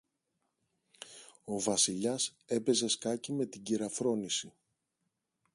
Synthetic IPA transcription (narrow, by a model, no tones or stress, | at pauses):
o̞vɐsiʎɐse̞pe̞ze̞skɐcime̞t̪iɟiɾɐfɾo̞nisi